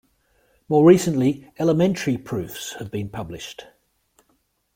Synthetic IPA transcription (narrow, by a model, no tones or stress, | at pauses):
mɔːɹiˑsə̃nʔliɛləmɛ̃ntəɹipʰɹ̥ʉˑfshəvbĩnpʰʌblɪʃt